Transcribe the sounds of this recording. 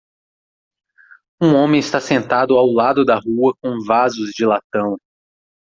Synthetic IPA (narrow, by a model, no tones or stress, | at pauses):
ũõmẽɪst̪asẽnt̪ad̪ʊawlad̪ʊd̪ɐɦuɐkõw̃vazʊzd͡ʒɪlat̪ɐ̃w̃